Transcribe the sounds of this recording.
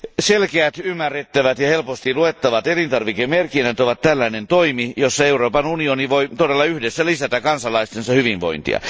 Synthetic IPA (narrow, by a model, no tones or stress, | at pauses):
selkeæt̪ymːærːet̪ːæʋæt̪jɑhelpost̪iluet̪ːɑʋɑt̪elint̪ɑrʋikemerkinːæt̪oʋɑt̪t̪ælːæinent̪oimijosːɑeuroːpɑnunioniʋoit̪odelːɑyhdesːælisæt̪ækɑnsɑlɑist̪ensɑhyʋiʋʋo̰int̪ḭɑ̰